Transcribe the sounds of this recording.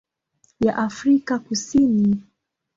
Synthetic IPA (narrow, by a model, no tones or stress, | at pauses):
jaʔafɾikakusini